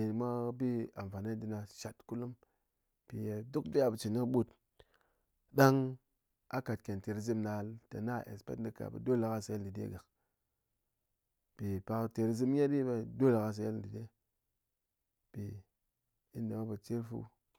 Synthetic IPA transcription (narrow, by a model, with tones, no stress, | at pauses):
e˨mʷa˦bi˦a˨mfa˨na˦di˨na˨ʃa˨tku˦lu˦m | pi˨ja˨du˦kdi˦a˦˨bə˨t͡ʃi˨ni˦kɓu˦˨t | da˦ŋ | a˦ka˨t̚ke˨nte˨ɾi˦zi˦mna˨lta̰˨na˦˨ʔḛ˨spḛ˦tn˦di˦ka̰˨bḛ˨do˦la˨ka˦sa˨je˦di˨dḛ˦ɡa˨k | pi˨pa˨kte˨ɾi˨zi˦m˦je˦di˦be˦˨do˦la˨ɣa˦s̬a˨je˦ldi˨de˦ | pi˨ | i˦nda˨ma˦bə˨t͡ʃi˦ɾfṵ˦